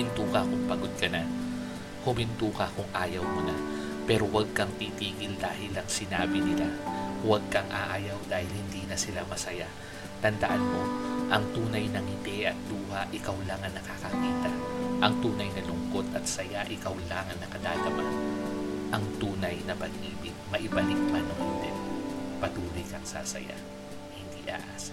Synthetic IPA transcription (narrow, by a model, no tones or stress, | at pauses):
ɪnt̪uːkɐkʊŋpɐɡod̪̚kɐna | hʊmɪnt̪uːkɐkʊŋʔaːjɐwmona | pɛːɾo̞wɐɡ̚kɐŋt̪iːt̪iːɡɪld̪aːhɪlɐŋsɪnaːbɪnɪlawɐɡ̚kɐŋʔa̰ʔaːjɐwd̪aːhɪlhɪnd̪iːnɐsɪlamɐsɐja | t̪ɐnd̪ɐʔanmo̞ʔɐŋt̪uːnɐjnɐŋɪt̪ɛʔɐt̪̚d̪uːhaʔɪkawlaŋɐnːɐkakɐkiːt̪ɐʔɐŋt̪uːnɐjnɐlʊŋkot̪ɐt̪sɐjaʔɪkawlaːŋɐnːɐkɐd̪aːɡ̪ɐmanʔɐŋt̪uːnɐjnɐpɐɡʔiːbɪɡ̚mɐʔɪbɐlɪk̚manɐŋhʊd̪ɛnpɐt̪uːlojkɐŋsa̰ːsɐ̰ja̰ | hɪnd̪iːʔa̰ːʔaːsa